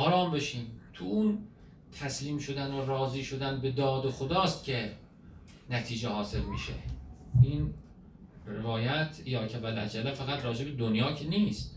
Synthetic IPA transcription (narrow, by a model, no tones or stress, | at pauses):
ʔɒːɾɒːmbe̞ʃiːmt̪ʰuun | t̪ʰæsliːmʃo̞d̪ænorɒːziːʃo̞d̪ænbe̞d̪ɒːd̪oxod̪ɒːst̪cʲʰe̞ | næt̪ʰiːd͡ʒehɒːse̞ɾmḭːʃḛin | revɒːjæt̪ʰjɒːkʰævælæ̰d͡ʒælːæfæɣæt̪rɾɒːd͡ʒe̞be̞d̪onjɒːcʰeniːst̪